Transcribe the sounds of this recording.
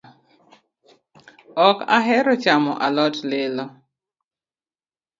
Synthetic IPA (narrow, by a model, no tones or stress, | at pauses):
ɔka̰ɦɛɾɔt͡ʃamɔ̰ʔalɔtlɪlɔ